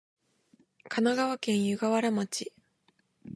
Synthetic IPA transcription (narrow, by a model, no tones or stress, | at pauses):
kʰanaɡaβakẽ̞ɰ̃jɯɡaβaɾamat͡ɕi